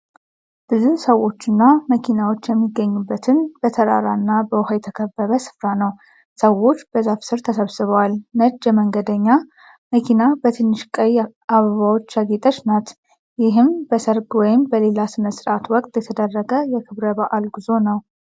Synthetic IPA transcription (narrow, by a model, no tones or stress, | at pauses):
b̥ɨzusəwːo̞t͡ʃːɨnːaməkʰinawo̞t͡ʃːjɛmːiɡːəɲːubːət̪ʰɨnb̥ət̪ʰəɾa̰ɾanːabəwhajt̪ʰəkʰəbːəβəsɨ̥fɾanəw | səwo̞t͡ʃːb̥əzafsɨɾt̪ʰəsəβsɨβəwalnəd͡ʒːɛməŋɡəd̪əɲːa | məkʰinabət̪ʰɨnːɨʃkʼəj | ʔaβəβawo̞t͡ʃːaɡit̪ʼət͡ʃnat̪ | jɪɦɨmbəsəɾɡwɔjɪmbəle̞lasɨməsɨɾat̪wɔkʼt̪ʼjɛt̪ʰəd̪ərːəɡəjɛkʰɨβɾəbaʔalɡizo̞nəw